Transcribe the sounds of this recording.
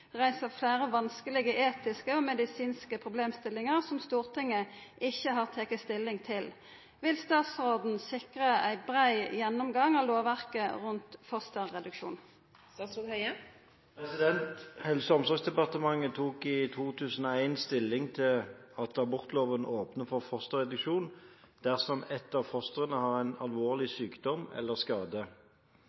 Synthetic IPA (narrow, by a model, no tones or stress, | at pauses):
ʁæɪsəflæːʁəʋɑnskəlɪɡəʔeːt̪ɪskəɔːmɛd̪ɪsiːnskəpʰʁʊbleːmst̪ɪlɪŋəʁsɔmst̪uːʁt̪ʰɪŋəʔɪçːəɦɑːʁt̪ʰɛkəst̪ɪlːɪŋt̪ʰɪl | ʋɪlst̪ɑːt̪sʁoːd̪n̩sɪkʁəæɪbʁæɪjɛnːɔmɡɑŋɑloːʋʋæʁkəʁʉnt̪fɔst̪əʁʁɛd̪ʉkʃṵːn | ɑs | pʰʁɛsɪd̪ɛnt̪hɛlsəɔmsɔɡsd̪ɛpɑʁt̪əmɑŋːət̪ʰuːkɪt̪ʰuːt̪ʰʉːsən̩ɔæɪnst̪ɪlːɪŋt̪ʰɪlɑt̪ɑbʊʁt̪loːʋənʔoːpnəfɔʁfɔʁst̪əʁɛd̪ʉkʂuːn | d̪̥æʁsɔmɛt̪ːɑʋfɔst̪əʁənəhɑʁæɪnɑlʋoːʁlɪsyːkd̪ɔmɛ̰lːəʁskɑːd̪ə